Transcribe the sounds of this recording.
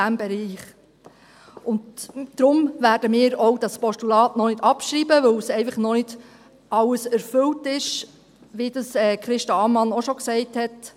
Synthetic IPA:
æmbɛɾiːχ | ʊndd̥ɾʊmvæːɾd̥əmɪːɾɔwd̥ɑspɔʃtulɑːtnɔnɪdɑpʃɾiːbəʋɵwsɛɪfəχnɔnɪd̥ | ʔɑwəsæɾfɵltɪʃ | ʋidəsɛːkɾɪʃtɑɑmɑnɔʃɔksɛɪthɛt

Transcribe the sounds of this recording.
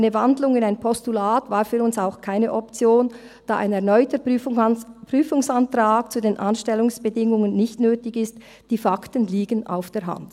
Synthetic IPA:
nəvandlʊŋɪnaɪnpʰɔstulaːtvaːɾfyːɾʊnsaʊxkʰaɪnəʔɔpt͡sjoːn | d̥a̰ːʔa̰ɪnɛɐnɔʏtə | pɾ̥yːfʊŋsantraːkt͡suːdeːnʔanʃtɛlʊŋsb̥ədɪŋʊŋənːɪçtnøːtɪçɪst | d̥iːfaktənliːɡənʔa̰ʊfd̥ɛːɐɦa̰nd̥

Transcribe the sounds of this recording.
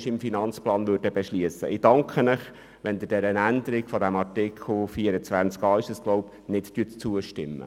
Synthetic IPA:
ʃɪmfinɑnt͡splɑːnʋøɾdəbɛʃliəsːə̰ʔɪd̥ɑŋkχənɪχ | ʋɛnd̪ədɛɾənænd̪əɾɪɡfɔd̪æmɑɾtɪkʰχl̩fiːəɾət͡sʋænt͡skɑːɪʃəskloʊp | nɪttyːətt͡suəʃtɪ̰mːə̰

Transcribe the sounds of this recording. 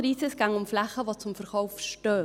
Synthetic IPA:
ɾiːsəsɡ̥aŋʊmflaχəvot͡sʊmfəɾkɔʊfʃtøː

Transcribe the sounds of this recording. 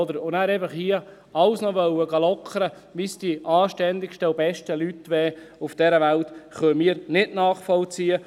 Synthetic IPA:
ɔd̪əɾʊnæːɾɛfəχhiə | ɑwsnɔʋœwəɡɑlɔkʰəɾə | ʋisd̥iʔɑːʃtɛnd̪ɪkʃtəʊbɛʃtəlytːʋɛːʊfd̥ɛɾəʋælt̪χœmiːəɾnɪtnɑːχfɔlt͡siːə

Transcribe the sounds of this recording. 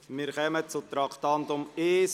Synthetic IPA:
mɪːɾkœmət͡sut̪ɾɑkʰt̪ɑnt̪ʊmeːs

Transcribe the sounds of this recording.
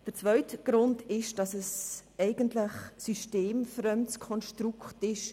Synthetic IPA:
d̥əɾt͡svœʏtəɡ̥ɾʊndɪʃd̥ɑsɛsɛɪɡ̥əntlɪχsyʃteːmfɾœmkʰɔnʃtɾuktɪʃ

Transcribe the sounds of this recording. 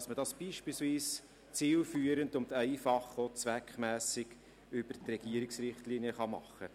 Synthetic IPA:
smədɑsb̥iːʃpiːlsviːs | t͡siːlfyːɾəndʊmtɛɪfɑχot͡sʋækχmæːsɪɡ̥ | ʏb̥əɾtrɛɡ̥iəɾɪksrɪχtliːniəχɑmɑ̰χə

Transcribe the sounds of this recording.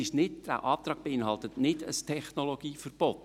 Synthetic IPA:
ɪʃnɪda̰ʊʔɑːpt̪ɾɑːɡ̚b̥eɪnhɑlˠt̪ətnɪdə̰stʰɛχnoloɡ̥iːfərb̥ɔt̪

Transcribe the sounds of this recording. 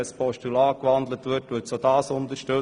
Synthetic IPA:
ɛspʰɔʃtylɑːkʋɑnd̪lətʋʏɾtʋʏːtsoːdɑːsʊnt̪əɾʃtø

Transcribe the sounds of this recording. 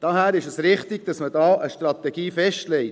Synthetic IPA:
d̥ɑɦæːɾɪʃəsɾɪχtɪɡ̥d̥ɑsmədɑːʔəʃtɾɑt̪ɛɡ̥iːfɛʃtlɛɪt

